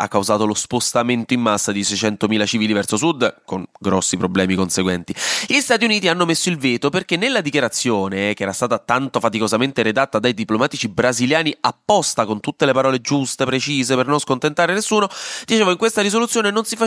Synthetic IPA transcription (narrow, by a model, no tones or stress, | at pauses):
a̰kːawzaːt̪olospost̪ament̪oimːasːad̪isɛjt͡ʃɛnt̪omiːlat͡ʃiviːlivɛrt̪sosud̪koŋɡɾɔsːipɾoblɛːmikonseɡwɛnt̪iʎist̪aːt̪iuniːt̪ianːomesːoilveːt̪operkenːelːad̪ikjaɾat̪sːjoːnekeɛːɾast̪aːt̪at̪ant̪ofat̪ikozament̪eɾed̪at̪ːad̪ajd̪iplomaːt̪it͡ʃibɾaziljaːniapːɔst̪akont̪ut̪ːelepaɾɔːled͡ʒust̪epɾet͡ʃiːzepernonskont̪ent̪aːɾenesːuːnod̪it͡ʃeːvoiŋkwest̪aɾizolut̪sːjoːnenonsifa